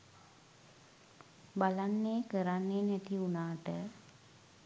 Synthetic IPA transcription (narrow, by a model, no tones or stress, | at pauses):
balanːeːkəɾanːeːnɛt̪iunaːʈə